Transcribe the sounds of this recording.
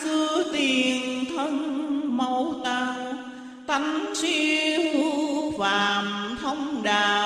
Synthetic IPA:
sɨ˧ət̪i˨˩ənt̪ʰə˧nmə˧wt̪aː˧w | t̪a˨˧˦ŋ̟t͡ɕi˧hu˧˦faː˨˩mt̪ʰə˧wŋ͡mɗaː˨˩

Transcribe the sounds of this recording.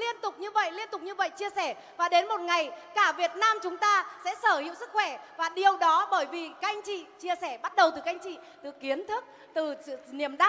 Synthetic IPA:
li˧ənt̪ʊ˨˩k͡p̚ɲɨ˧və̰˧˨jli˧ənt̪ʊ˨˩k͡p̚ɲɨ˧və̰˧˨jt͡ɕi˧əsɛ˧˩ | vaː˨˩ɗe˨˦nmo˨˩t̚ŋa˨˩jkaː˧˩vi˨˩ət̚naː˧mt͡ɕʊ˨˦ŋ͡mt̪aː˧sɛ̰˧˥səː˧˩hḭ˧˨əwsɨ˦˥k̚xwɛ˧˩vaː˨˩ɗi˨˩əwɗɔ˨˦ɓəː˧˩jvi˨˩ka˧jŋ̟t͡ɕḭ˧˨t͡ɕi˧əsɛ˧˩ɓa˦˥t̚ɗə˨˩wt̪ɨ˨˩ka˧jŋ̟t͡ɕḭ˧˨t̪ɨ˨˩ki˨˦ənt̪ʰɨ˦˥k̚ | t̪ɨ˨˩˧ni˨˩əmɗa˦

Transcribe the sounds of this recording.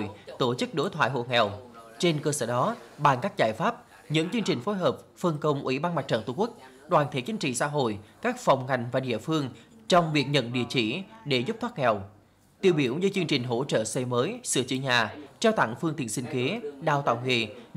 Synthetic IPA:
jt̪o˧˩t͡ɕɨ˦˥k̚ɗo˨˦jt̪ʰwa̰ː˧˨jɦo̰˧˨ŋɛ˨˩wt͡ɕe˧nkəː˧səː˧˩ɗɔ˨˦ɓaː˨˩nkaː˦˥k̚zaː˧˩jfaː˦˥p̚ | ɲɨ̰˧˥ŋt͡ɕɨ˧əŋt͡ɕï˨˩ŋ̟fo˨˦jɦəː˨˩p̚fə˧nkə˧wŋ͡mʔwḭ˧˩ɓaː˧nma˨˩t͡ɕə̰ː˧˩t̪u˨˧˩kwk̚ | ɗwaː˨˩nt̪ʰe˨˦t͡ɕï˨˦ŋ̟t͡ɕḭ˧˨sa̰ː˧˥ɦo̰˧˨jkaː˦˥k̚fɔ˨˩wŋ͡mŋa˨˩jŋ̟vaː˨˩ɗḭ˧˨əfɨ˧əŋ | t͡ɕɔ˧wŋ͡mvi˨˩ək̚ɲə̰˧˨nɗḭ˧˨ət͡ɕḭ˧˩ɗe˧˩zp̚t̪ʰaː˦˥ŋɛ˨˩w | t̪ḭ˧˨əwɓi˧˩əwzɨ˧˦t͡ɕɨ˧əŋt͡ɕï˨˩ŋ̟ɦo̰˧˥t͡ɕə̰ː˧˨sɛ˧məː˨˦jsɨ̰˧˩ət͡ɕɨ̰˧˩əɲaː˨˩t͡ɕaː˧wt̪a̰˧˩ŋfɨ˧əŋt̪ḭ˧˨ənsï˧ŋ̟ke˨˦ɗaː˧wt̪a̰ː˧˨wŋḛ˧˩˨

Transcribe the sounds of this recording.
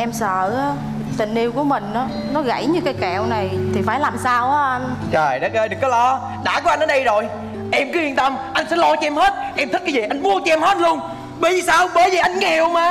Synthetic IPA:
ʔɛ˧msə̰ː˧˨ʔaː˨˦ | t̪ï˨˩ŋ̟ʔi˧əwku˧˩əmï˨˩ŋ̟ʔaː˨˦ | nɔ˨˦ɣə̰˧˥jɲɨ˧kaː˨˦jkɛ˧˨wna˨˩jt̪ʰi˨˩faː˧˩jlaː˨˩msaː˧wʔaː˦˧nt͡ɕəː˨˩jɗə˦˥k̚əː˧jɗɨ˨˩əkːɔ˨˦lɔ˧ | ɗa̰ː˧˩ku˨˧˦ʔa˧nʔːɗə˧jzo˨˩j | ʔɛ˧mkɨ˨˦hi˧ənt̪ə˧mʔa˧jŋ̟sɛ̰˧˥lo˧t͡ɕɔ˧ʔɛ˧mhe˦˥t̚ʔɛ˧mt̪ʰi˦˥kːaː˨˧˦zi˨˩ʔa˧jŋ̟mu˧ət͡ɕɔ˧ʔɛ˧mhe˦˥t̚lu˧ən | ɓə˨˧˩jzi˨˩saː˧wɓəː˧˨˦jzəː˨˩ʔa˧ŋ̟ŋ˧˨˧hi˨˩əwmaː˨˩

